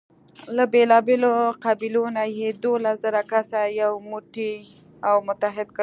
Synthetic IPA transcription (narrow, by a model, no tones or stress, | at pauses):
labelɑbeloqabilonajed̪olaszəɾakasajawmuʈi | awmʊt̪aɦɪd̪k